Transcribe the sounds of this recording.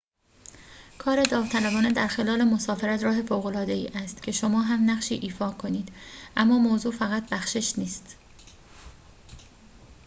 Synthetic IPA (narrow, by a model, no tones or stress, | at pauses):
kʰɒːɾe̞d̪ɒːvt̪ʰælæbɒːne̞d̪æɾxe̞lɒːle̞mo̞sɒːfeɾæt̪ɾɒːɦe̞foːɣo̞lɒːd̪e̞ḭːʔæst̪cʰe̞ʃo̞mɒːɦæmnæɣʃiːʔiːfɒːkʰo̞niːd̪ʔæmːɒːmoːzuːfæɣæt̪̚bæxʃeʃniːst̪